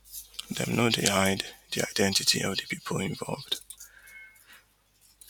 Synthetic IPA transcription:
ðɛ̰̃mnobihãɪddia̰ɪdɛ̃ntɪtʰḭɔvdəpʰipʰəl̩ˠɪ̃ɱvɔ̰lˠvd̥

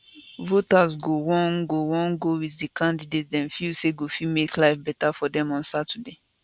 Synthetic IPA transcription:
votasɡowɔ̃nɡowɔ̃nɡowiddikãndidet̚dɛ̃nfilseɡofimeklaɪfbɛtafɔdɛ̃mɔ̃nsatade

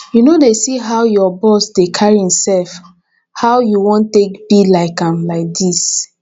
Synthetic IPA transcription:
junodesiɦaʊjɔbɔsdekʰaɹiĩmsɛlf | haʊjuwɔ̃ntekbilaɪkãmlaɪk̚dis

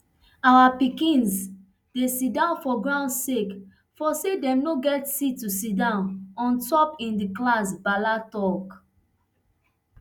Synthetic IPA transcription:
awapikĩns | d̥esidãʊ̃nfɔɡɹãʊ̃ndsek | fɔsedɛ̃mnoɡɛtsitːusidãʊ̃nɔ̃ntɔpĩndiklas̬balatɔk

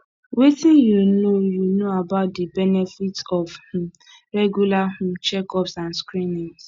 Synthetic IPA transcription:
wetĩnjunojunoabaʊt̚dibɛnefitɔvh̩ | ɾɛɡjulahʊ̃t͡ʃɛkɔpsãnskɾinĩŋs

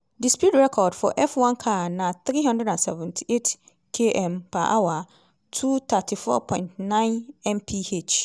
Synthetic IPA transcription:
dispjutɹɛkʰɔdfɔ̰ʔɛfwãnkʰanãt̪ɾiɦãndɛdãnsɛvɛ̃ntʰi̥ʔet | kʰeʔɛ̃mpʰa̰ʔawa | tʰut̪ʰatʰifɔ̰pʰɔ̃ɪ̃ntnãɪ̃nɛ̃mpʰihet͡ʃ

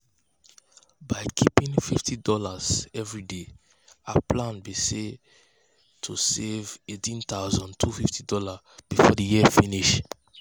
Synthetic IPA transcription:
baɪkʰipĩnfiftidɔlaz̥ɛvɹide | aplãnbise | tʰusevetĩnt̪aʊzɔ̃ntʰufiftidɔla | b̥ifɔ̰dəjiəfiniʃ

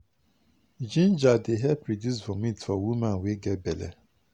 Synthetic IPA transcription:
d͡ʒĩnd͡ʒadeɦɛpʰɾodjusfɔmĩtfɔwumãnweɡɛbɛlɛ̰

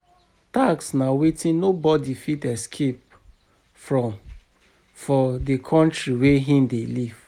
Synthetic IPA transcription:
taksnawetĩnnobɔdifitɛskʰep̚ | fɹɔ̃m | fɔdekʰɔ̃ntɹiweɦĩmdeliv̥

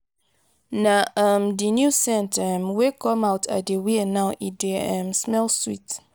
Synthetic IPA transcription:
naʌmdinjusɛ̃ntmwekɔ̃mawtʰa̰dewinaʊʔideɛ̃msmɛlswit

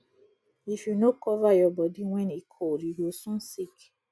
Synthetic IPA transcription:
ifjunokɔvajɔbɔdiwɛ̃nikʰodjiɡosũnsik

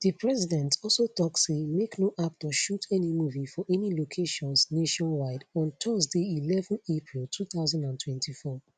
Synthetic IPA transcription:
ð̥ipɹɛsidɛ̃ntɔlˠsotɔksemeknoʔap̚tɔʃutʰɛnimuvifɔʔɛnilokʰeʃɔ̃nsneʃɔ̃nwaɪdɔ̃ntʰɔsdeilɛvɔ̃nepʰɹilˠtʰuθaʊzãndãntʰwɛ̃ntʰifɔ

